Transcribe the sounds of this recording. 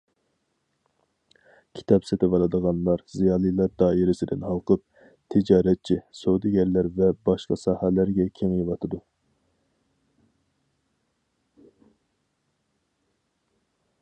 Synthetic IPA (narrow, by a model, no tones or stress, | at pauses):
kʲʰi̥t̪ʰɑpset̪ʰɪvɑlˠɨd̪əʁɑnlˠɑɾzijɑːlˠijlˠɑɾd̪ɑːiɾɪsɪd̪ɪnɦɑlˠqʰəp̚ | t̪ʰɪd͡ʒɑːɾɛt̪̚t͡ʃʰisod̪ɪɡʲɛɾlæɾvɛbɑʃqɑsɑːhælæɾɡʲɛkʲʰeŋjiwɑt̪ʰɨd̪u